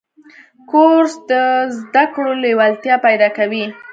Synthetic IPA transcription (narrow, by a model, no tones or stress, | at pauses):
koɾsd̪əzd̪akɽolewalt̪jɑpajd̪ɑkawi